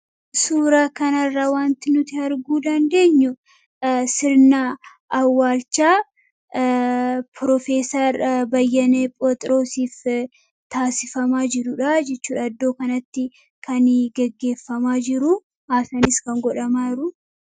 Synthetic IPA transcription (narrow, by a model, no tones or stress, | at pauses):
suːɾaːkɐnɐrːawaːnt̪ɪnʊt̪ɪhɐɾɡuːd̪ɐnd̪e̞ːɲːʊ | sɪɾnaː | wːaːlt͡ʃːaː | pɾɔfe̞ːsɐɾbɐjːɐneːpʼɔt̪ʼɾo̞ːsiːf | t̪aːsɪfɐmaːd͡ʒɪɾʊᶑɐd͡ʒɛt͡ʃːuːᶑɐɐd̪ːo̞ːkɐnɐt̪ːɪ | kʰɐnɡɛɡːe̞ːfːɐmaːd͡ʒɪɾʊ | haːsɐnɪskɐŋɡɔᶑɐmaːɾʊ